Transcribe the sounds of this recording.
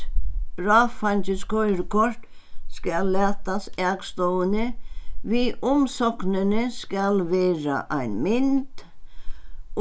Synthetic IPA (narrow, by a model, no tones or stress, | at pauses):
b̥ɾɑːfanʲt͡ɕəskɔʏɾkʰɔɾt̪ | skalːæːt̪asɛːɡst̪ɔwənəʋiːʔɔmsɔknənəskalʋeːɾa̰ʔæɪnmɪnt̪